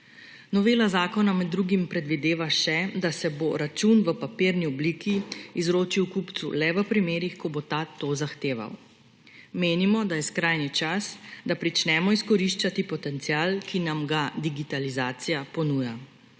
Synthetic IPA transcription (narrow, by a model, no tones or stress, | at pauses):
nɔʋeːlazaːkɔnamɛd̪ːɾuːɡimpɾɛd̪ʋid̪eːʋaʃɛd̪asɛboɾat͡ʃunʋəpapiːɾniɔbliːkʰiːzɾoːt͡ʃiwkupt̪sṵlɛʋəpɾimeːɾixkɔbot̪aːt̪ozaxt̪eːʋa̰w | meːnimɔd̪ajɛskɾaːjnit͡ʃasd̪apɾit͡ʃnɛmɔiskɔɾiʃt͡ʃat̪ipɔt̪ɛnt̪sijaːlkʰinamɡad̪iɡit̪alizaːt̪sijapɔnuːja